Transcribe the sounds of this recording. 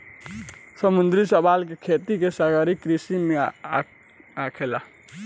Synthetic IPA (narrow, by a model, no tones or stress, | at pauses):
səmund̪ɾisəbalk̬ekʰet̪ikesaɡəɾikɾisime | akʰela